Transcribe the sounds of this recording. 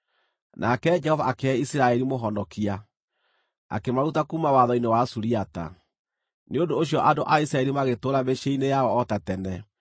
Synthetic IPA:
nʔakɛd͡ʒɛhɔvaːkeɛisiɾaɛɾimoɦɔndɔkia | a̰kemaɾutakuːmawaðɔinewasuɾiata̰ | neodoːɕ̬ijɔʔadoʔaisɾaɛɾimaɣetoɾabeʃeinejaɔɔtatɛnɛ

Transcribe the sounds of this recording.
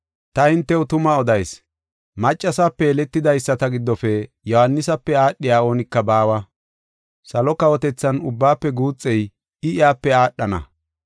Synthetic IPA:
t̪ɐhɪnt̪ːɛʊt̪ʊmɐɔd̪ɐjs | mɐt͡ʃʼːɐsapːɛːlɛt̪ːɪd̪ɐjsːɐt̪ɐɡɪd̪ːɔfɛ | jɔhɐnːɪsɐpːɛaːɗːɪjaːo̞ːnɪkːɐbaːwɐ | sɐlɔkɐwɔt̪ɛt͡sːɐnʊbːaːpːɛɡuːt͡sʼːɛj | ɪɪjaːpːɛaːɗːɐnɐ̰

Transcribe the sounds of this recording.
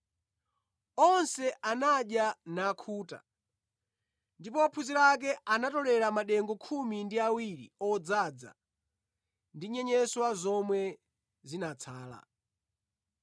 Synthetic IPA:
ɔnsɛʔanaɗjanaːkʰuːta̰ | ndipɔapʰuziɾak̬ɛʔanatɔlɛɾamaɗɛŋɡɔkʰumindiawiɾḭɔd͡zad͡za̰ | ndiɲɛɲɛswazɔmwɛ | zinat͡sʰaːla̰

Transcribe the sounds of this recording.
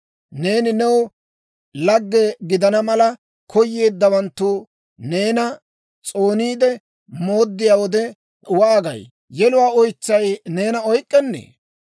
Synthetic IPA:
ne̞ːnɪnɛw | lɐɡːɛɡɪd̪ɐnɐmɐlɐ | kʰɔjːe̞ːd̪ːɐwɐnt̪ːuː | ne̞ːnɐ | t͡sʼo̞ːniːd̪ɛ | moːd̪ːɪjaːwɔd̪ɛ | ʊwaːɡɐ̰j | jɛlʊwaːɔjt͡sːɐjne̞ːnɐɔjkʼːɛnːḛː

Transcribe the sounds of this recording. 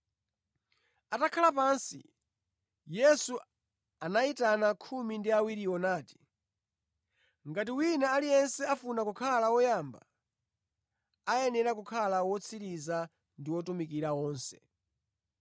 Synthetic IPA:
atakʰalapansḭ | jɛsu | anaitanakʰumindiawiɾiɔnaːti̥ | ŋɡat̬iwinaalijɛnsɛafunakukʰalawɔjamba̰ | ajɛnɛɾakukʰalawɔt͡sʰiɾiza | ndiwɔtumikiɾawɔːnsɛ̥̰

